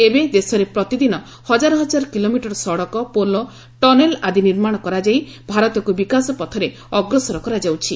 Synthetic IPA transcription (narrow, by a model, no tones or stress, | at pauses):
ebed̪esɔɾepɾɔt̪id̪inɔ | hɔd͡ʒaɾɔɦɔd͡ʒaɾɔkilomiʈɔɾɔsɔɽɔkɔpolɔ | ʈɔnelad̪iniɾmaɽ̃ɔkɔɾad͡ʒajbʱaɾɔt̪ɔkubikasɔpɔt̪ʰɔɾe | ɔɡɾɔsɔɾɔkɔɾad͡ʒawt͡ʃʰi